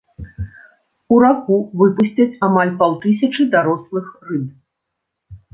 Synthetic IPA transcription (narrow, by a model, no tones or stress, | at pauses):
uɾaxuvɨpusʲt͡sʲɐt͡sʲamalʲpawt̪ɨs̬ʲɐt͡ʂɨd̪aɾɔslˠɨxrɨb